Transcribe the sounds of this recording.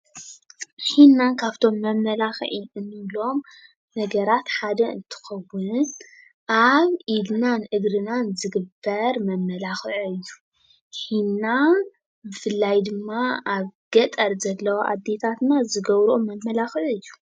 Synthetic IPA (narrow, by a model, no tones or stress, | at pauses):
ħinːankʰaβt̪ʰo̞mːɐmːɐlaxʕiɨnːɨlo̞m | nɐɡɐɾat̪ħad̪ɐɨ̰nt̪ʰɨ̥xɐwːʊn | ʔaβʔid̪nanʔɨɡɾɨnanzɨɡɨbːɐɾmɐmːɐlaxɨʕɨjːu | ħinːa | bɨfɨlːajd̪ɨmːaaβɡ̥ɐt̪ʼɐɾzɐlːɐwaʔa̰d̪ːe̞t̪ʰat̪nazɨɡɐβɾomɐmːɐlaxɨʕɨjːu̥